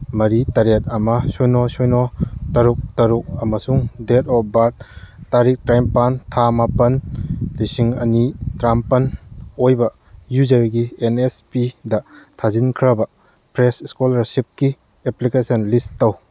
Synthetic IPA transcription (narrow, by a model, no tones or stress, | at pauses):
mɐɾitɐɾet̚ɐmɐsojnosojnotɐɾuk̚tɐɾuk̚ɐmɐsuŋdetɔp̚baɾt̚taɾik̚tɾajmpantʰamapɐnlisiŋɐ̰nitɾampɐnojbɐ | juzɐɾɡienespidɐtʰazinkʰɾɐbɐ | pɾesiskolɐɾsip̚ki | eplikesɐnlistɐw